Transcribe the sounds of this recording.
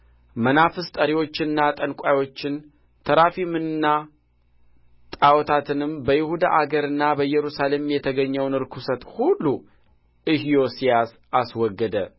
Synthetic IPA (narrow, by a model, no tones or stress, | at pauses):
mənafɨst̪ʼəɾiwo̞t͡ʃːɪɨnːat̪ʼənkʷʼajwo̞t͡ʃːɪn | t̪ʰəɾafimɨnnːa | t̪ʼawɔt̪ʰat̪ʰɨnɨmbəjɪhud̪a̰ʔaɡəɾɨnːabəjɛɾusale̞mjɛt̪ʰəɡəɲːəwnɨɾkʰusət̪hulːu | ʔɨhjo̞sijas | aswɔɡːəd̪ə